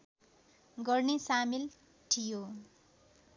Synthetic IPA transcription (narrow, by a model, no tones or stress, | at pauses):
ɡʌrnesamil | ʈʰijo